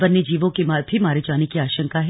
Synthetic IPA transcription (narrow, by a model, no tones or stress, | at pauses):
bɐnːed͡ʒiːʋõkemab̪ʱimaːɾet͡ʃaːnekiaːʃə̃ŋkaɦɛ